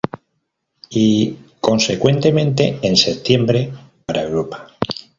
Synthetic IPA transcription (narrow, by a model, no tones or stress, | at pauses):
iko̞nse̞kwe̞nt̪e̞mẽnt̪e̞̰ense̞t̪je̞mbɾe̞paɾaewɾopḁ